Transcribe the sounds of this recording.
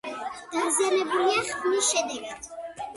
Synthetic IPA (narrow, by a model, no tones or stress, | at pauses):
d̪̥aɾzianɛbuliaχmisʃɛd̪ɛɡad̪̥